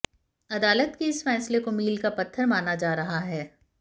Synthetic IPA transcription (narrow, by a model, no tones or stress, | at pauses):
ɐd̪aːlət̪keɪsfɛːslekomiːlkapɐt̪ʰːəɾmaːnad͡ʒaːɾɐɦaɦɛː